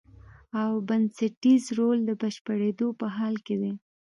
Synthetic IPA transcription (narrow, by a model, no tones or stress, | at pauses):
awbansaʈizɾold̪əbəʃpəɽed̪opəɦɑlked̪e